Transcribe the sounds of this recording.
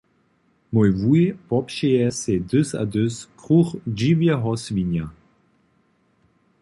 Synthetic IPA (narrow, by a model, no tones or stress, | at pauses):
mɔjvuepɔpʃeɛsed̪øsa̰d̪øskχuʁd͡ʒivjəɦɔsviɲa